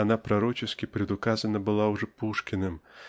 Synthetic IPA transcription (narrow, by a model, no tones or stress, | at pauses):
anapɾaɾɔt͡ʃɨskʲipɾʲɛd̪ʊkazɐnɐbɨlˠawʐɛpuʂkʲinɨm